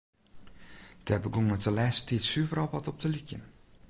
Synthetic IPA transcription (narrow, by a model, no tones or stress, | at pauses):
d̥ɛbəɡuŋətəlɛstʰitsyəvəɾɔlˠʋɔtɔp̚təlikjə̰n